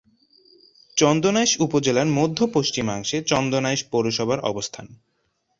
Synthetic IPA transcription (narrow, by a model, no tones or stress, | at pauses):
t͡ɕɔnd̪onajʃupod͡ʑelaɾmod̪ʱːopoʃt͡ɕimaŋʃet͡ɕɔnd̪onaeʃpoɾoʃɔbʱaɾʔɔ̰bost̪ʰan